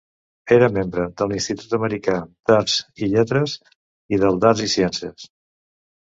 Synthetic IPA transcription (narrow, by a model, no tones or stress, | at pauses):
eɾəmembɾəðəlinst̪it̪ut̪əməɾikad̪̥az̥iʎɛt̪ɾəs | iðəlˠd̪azisjɛnsiəs